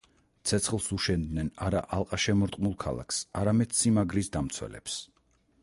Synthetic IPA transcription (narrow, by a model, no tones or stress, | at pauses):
t̪sʰɛt̪sʰχlˠsuʃɛnd̪nɛnaɾaʔalˠqʼaʃɛmɔɾt̪ʼmulˠkʰa̰lˠa̰ksaɾamɛd̪̥simaɡɾisd̪amt̪sʰwɛ̰lɛ̰ps